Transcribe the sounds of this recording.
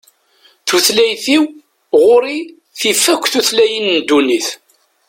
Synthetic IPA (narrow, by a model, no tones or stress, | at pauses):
θuθlæjθiw | ʁʊɾi | θifːækʷːθuθlæjənnd̪uniθ